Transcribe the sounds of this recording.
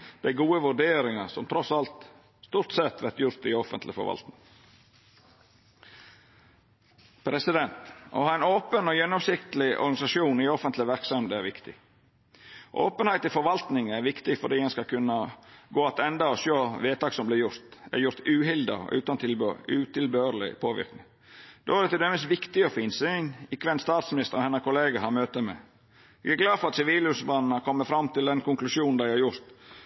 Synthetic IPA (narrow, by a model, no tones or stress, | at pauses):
d̪̥æɪɡuːəʋʉɖeːɾɪŋɑsɔmt̪ʰɾɔsɑlt̪ | st̪uːɾt̪sɛt̪ʰʋɛɾt̪jʊɾt̪ɪɔfənt̪lɪfɔ̰ɾʋɑ̰lt̪nɪŋ | pʰɾɛsɪd̪ɛnt̪o̰hɑːæɪnoːpənɔoːjɛnːɔmsɪkt̪əlɪʔɔ̰ɾɡɑɪsɑʃuːnɪɔfənt̪lɪʋæɾksœmd̪ɛæɾʋɪkt̪ɪ̰ | ʔo̰ːpənhæɪt̪ɪfɔɾʋɑlt̪nɪŋæɾʋɪkt̪ɪfɔɖiːɛɪskɑkʰʉnːəɡoːɑt̪ɛnd̪ɑɔʃøːʋeːt̪ɑːksɔmblɪɾjʊɾt̪æ̰ɾjʊɾt̪ʉːhɪld̪ə̰ɔ̰ʔʉ̰ːt̪ɑnt̪ʰɪlʉːt̪ʰɪlbøːɾlɪ̰pʰoːʋɪ̰ɾknɪ | d̪̥oːæɾd̪ɛt̪ɪld̪ɛməst̪ʋɪkt̪ɪɔfinsɪnɪkːʋɛnst̪ɑːt̪smɪnɪst̪əɾɔhɛnəkʰʊleːɡɑhɑɾmøːt̪əmɛ̰ | ʋɪ̰ɡæɡlɑːd̪fɔɾɑt̪sɪʋiːlʉsbɑːnn̩ɑkʰɔmːəfɾɑmːt̪ɪld̪ɛnkʊŋklʉʃuːnn̩d̪æɪhɑɾjʊɾt̪